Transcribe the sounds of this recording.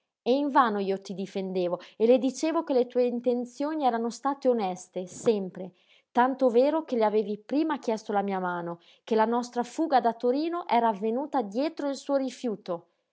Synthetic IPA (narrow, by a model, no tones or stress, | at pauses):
eiɱvaːnoiːot̪id̪ifend̪eːvoeled̪it͡ʃeːvokelet̪uːeint̪ent̪sjoːniɛːɾanost̪aːt̪eonɛst̪esɛmpɾe | t̪ant̪oveːɾokeleaveːvipɾiːmak̟jɛst̪olamiːamaːno | kelanɔst̪ɾafuːɡad̪at̪oɾiːnoʔɛːɾaːvːenuːt̪ad̪jɛːt̪ɾoilsuːoɾifjuːt̪o